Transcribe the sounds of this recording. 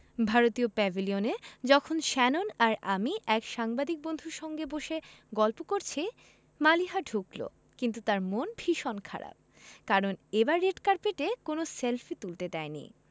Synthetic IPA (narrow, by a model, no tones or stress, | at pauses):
bʱaɾot̪iopɛbʱilioned͡ʑɔkʰonʃɛnonaɾamiʔɛkʃaŋbad̪ik̚bond̪ʱuɾʃɔŋɡeboʃeɡɔlpokoɾt͡ɕʰi | maliɦaɖʱuklo̰ | kint̪̬ut̪aɾmonbʱiʃonkʰa̰ɾa̰b̚ | kaɾonebaɾːeɖkaɾpeʈekonoselfʰit̪ult̪ed̪ɛjnḭ